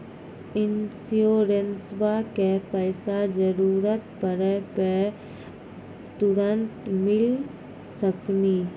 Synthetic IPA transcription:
ɪnsioːɾensʋakepəːsad͡ʒəɾuːɾət̪pəɾəpe | t̪ʊɾənt̪mɪl | səkni

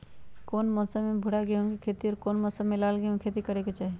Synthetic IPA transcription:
koːnmɔːsəbmebʱʊɽaɡeũkikʰeːt̪iɔːɾkoːnmɔːsəbmelaːlɡeɦũkʰeːt̪ikəɾeket͡ʃaːɦe

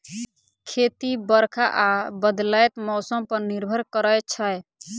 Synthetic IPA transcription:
kʰet̪ibəɾkʰaʔabəd̪lajt̪mɔsəmpəɾniɾbʱəɾkəɾəjt͡ʃʰəj

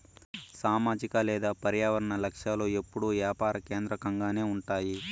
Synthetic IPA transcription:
saːmaːd͡ʒikɐlɛːd̪aːpɐɾjaːʋɐɾɐɳɐlɐkʂjaːlo̞ːe̞pːuɽuʋjaːpaːɾɐke̞ːnd̪ɾɐkɐŋɡaːne̞ːuɳʈaːji

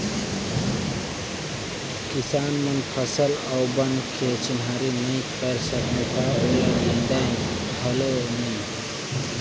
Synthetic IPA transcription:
kisanmənpʰəsəlaʊbənkʰet͡ʃinɦaɾinəjkəɾsəknet̪aoleinɖəj | bʱəlonəj

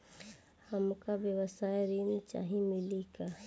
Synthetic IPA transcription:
hɐmkabjəʋəsaːjɾiːnt͡ʃa̰ːɦĩmɪlika

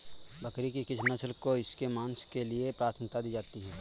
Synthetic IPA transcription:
bɐkɾikikɪt͡ʃʰnɐslkoɪskemãːnskeliepɾaːt̪ʰəmk̚t̪ad̪iːd͡ʒaːt̪iɦɛː

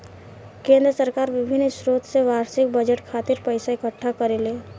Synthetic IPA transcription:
kẽːnd̪ɾəsəɾkaːɾʋɪbʱɪnːʃɾoːt̪seʋaːɾsɪk̚bəd͡ʒəʈkʰaːt̪ɪɾpəɪsaɪkəʈʰːakəɾeleː

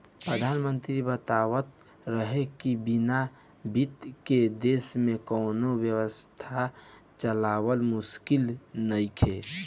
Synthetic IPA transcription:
pɾəd̪ʱanmənt̪ɾibət̪awət̪ | ɾəɦekibina | bit̪ked̪esmẽkɔːnowjəwəst̪ʰa | t͡ʃəlawəlmuskilnəikʰe

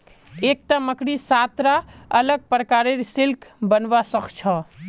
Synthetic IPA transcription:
eːk̚t̪aməkɽisat̪ɾaələɡ̚pɾəkaːɾeɾsɪlkʰbənʋasəkʰt͡ʃʰɔ

